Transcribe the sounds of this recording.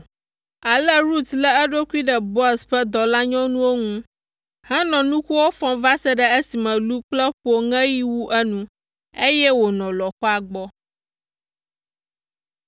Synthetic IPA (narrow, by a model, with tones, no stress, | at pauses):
a˨lɛ˦ɾu˦t̪lɛ˦ɛ˦ɖo˦kʷi˦ɖɛ˨bɔ˦sɸɛ˦d̪ɔ˨la˦ɲɔ̃˦nũ˦wo˦ŋũ˦ | hɛ̃˦nɔ̃˨nũ˦xu˦wo˦fɔ̃˦va˦sɛ˦ɖɛ˦e˦si˨mɛ̃˨lu˦k͡plɛ˦ɸo˨ŋɛ̃˦ji˦wu˦ʔɛ˦nũ˦ | e˦jɛ˦wo˨nɔ̃˨lɔ˨xɔ˦a˨ɡ͡bɔ˦